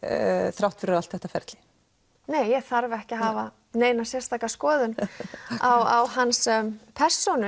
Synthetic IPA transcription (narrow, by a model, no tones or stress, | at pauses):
θɾawht̪fɪɾʏɾalt̪θɛht̪afɛ̰ɾt̪lɪ̥ | neːjjɛɣθaɾvɛhcɪɦaːva | neːjnasjɛrst̪aːkaskɔːðʏnawawɦanspʰɛr̥sːɔnʏ